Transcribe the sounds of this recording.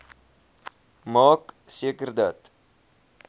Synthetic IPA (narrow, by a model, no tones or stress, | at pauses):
mɑːksiəkərd̪at̪